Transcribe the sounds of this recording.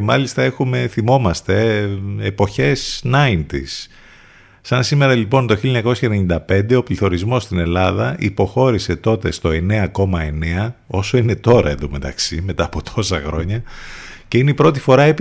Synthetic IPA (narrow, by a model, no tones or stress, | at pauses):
emɐlist̪ɐe̞xume̞θimo̞mɐst̪e̞epo̞çe̞snɐint̪ḭsː | ɐnsime̞ɾɐlipo̞nt̪o̞çiloɲɐko̞sçɐeneɲind̪ɐpe̞nd̪e̞o̞pliθo̞ɾizmo̞st̪ine̞lɐðɐʔḭpo̞xo̞ɾise̞t̪o̞t̪e̞st̪o̞e̞ne̞ɐko̞mɐe̞ne̞ɐo̞so̞ine̞t̪o̞ɾɐ̰eðome̞t̪ɐ̰ksime̞t̪ɐːpo̞t̪ʰo̞sɐxɾo̞ɲɐce̞ineipɾo̞t̪ifo̞ɾɐep